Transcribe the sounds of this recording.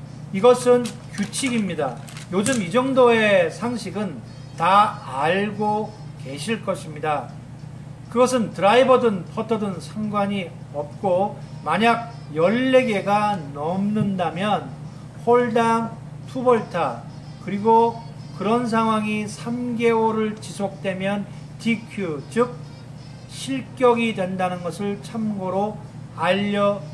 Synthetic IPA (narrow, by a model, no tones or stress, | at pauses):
iɡʌsʰɯnkjut͡ɕʰiɡimɲida | jod͡ʑɯmid͡ʑʌŋdoe̞sʰaŋɕʰiɡɯn | taːɭɡo | ke̞ɕʰiɭk͈ʌɕʰimɲida | kɯɡʌs̬ʰɯntɯɾaibʌdɯnpʰʌtʰʌdɯnsʰaŋɡwaɲiʌp̚k͈omaɲaɡ̚ | jʌɭːe̞ɡe̞ɡanʌmnɯndamjʌn | pʰoɭdaŋ | tʰubʌɭtʰa | kɯɾiɡokɯɾʌns̬ʰaŋɦwaŋisʰamɡe̞oɾɯɭt͡ɕisʰok̚t͈we̞mjʌn | tikʰjut͡ɕɯk̚ | ɕʰiɭk͈jʌɡidwe̞ndanɯnɡʌsʰɯɭt͡ɕʰamɡoɾo | aʎːʌ